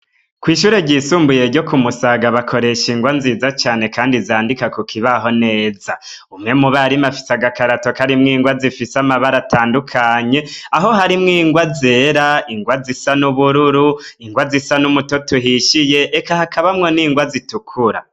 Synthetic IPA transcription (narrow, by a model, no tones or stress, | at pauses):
kwiːʃuːɾe̞ɟiːsuːmbuje̞ɾɟo̞kumusaɡaβakʰo̞ɾe̞ʃiŋɡwanzizat͡ʃaːne̞kaːndizaːndikakukʰiβaɦo̞ne̞ːza | umŋe̞muβaɾimafi̥saɡakaɾato̞kaɾimŋiːŋɡwazifisamaβaɾataːndukʰaɲe̞aɦo̞ɦaɾimŋiːŋɡwaze̞ːɾaiŋɡwazisanuβuɾuɾuiŋɡwazisanumuto̞tuɦiʃije̞ʔːkahakaβamŋo̞niːŋɡwazitukʰuɾa